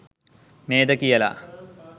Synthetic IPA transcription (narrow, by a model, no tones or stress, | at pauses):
meːd̪əkijəla̰